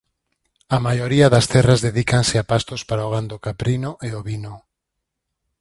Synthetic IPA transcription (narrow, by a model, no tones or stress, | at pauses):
amajoɾiaðast̪ɛrazðeðikansɪapast̪ospaɾaoɣand̪okapɾinoʔeoβino